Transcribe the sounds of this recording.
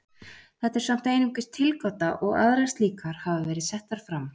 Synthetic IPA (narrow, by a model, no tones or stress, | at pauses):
θɛht̪ɛɾ̥sam̥t̪ejnʏmkɪst̪ʰːɪlkɔt̪aʔɔɣa̰ðɾajst̪liːkaɾ̥havavɛːɾɪðsɛht̪aɾ̥fɾam